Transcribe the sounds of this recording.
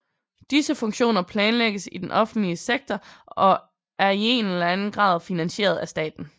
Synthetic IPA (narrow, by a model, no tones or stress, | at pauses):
d̥isəfɔ̽ŋɕo̝̰ːnɐpʰlɛːnleɡ̥əsid̥enʔɒ̽fn̩d̥liəseɡ̥̚t͡sʰɒʔɒ̽ | æɐie̝nelænn̩ɡ̥ʁɑ̰̈ːð̞ˠfinænɕe̝̰ːɐð̞̩ˠæsd̥ɛ̰ːd̥n̩